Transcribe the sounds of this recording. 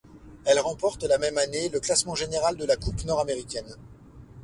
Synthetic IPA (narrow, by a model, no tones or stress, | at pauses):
ɛlʁɑ̃pɔʁt̪lamɛmaneləklasmɑ̃ʒeneʁald̪əlakupnɔʁameʁikʲɛn